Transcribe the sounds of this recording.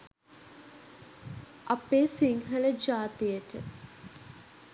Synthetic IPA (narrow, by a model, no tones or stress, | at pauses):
apeːsiŋɦələd͡ʒaːt̪ijəʈə̰